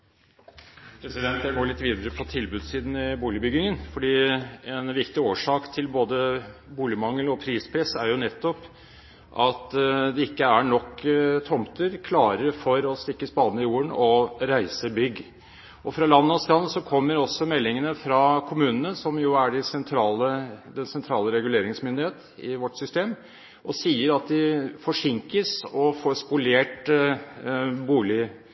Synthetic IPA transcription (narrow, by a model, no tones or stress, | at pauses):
pʰɾɛsɪd̪ɛnt̪jæɡoːɭɪt̪ːʋiːd̪əɾəpʰɔt̪ʰɪlbʉd̪siːd̪n̩ɪbuːlɪbʏɡɪŋənfɔɖiːɛnʋɪkt̪ɪoːʂɑːkt̪ʰɪlboːd̪əbuːlɪmɑŋːəlɔpʰɾiːspʰɾɛsæɾjʊnɛt̪ːɔp | ʔɑt̪d̪ɛɪkːəæɳɔkːt̪ʰɔmt̪əɾkʰlɑːɾəɾfɔɾɔst̪ɪkːəspɑːd̪nəɪjuːəɳɔɾæɪsəbʏɡː | ɔfɾɑlɑnːɔsɾɑnːəsɔkʰɔmːəɾɔsːɔmɛlːɪŋənəfɾɑkʰʊmʉːnənəsɔmjʊæɖɪsɛnt̪ʰɾɑːləd̪ɛnsɛnt̪ʰɾɑːləɾɛɡʉleːɾɪŋsmʏnd̪ɪheːt̪ | ɪʋɔʈːsʏst̪eːm | ʔɔsiːəɾɑt̪̚d̪ɪfɔʂɪŋkəsɔfoːɾspʊleːʈ | buːlɪ